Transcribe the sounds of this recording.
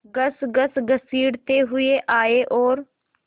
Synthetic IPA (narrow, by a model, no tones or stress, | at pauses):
ɡəsɡəsɡəsiːɽt̪eɦʊeʔaːeʔɔːɾ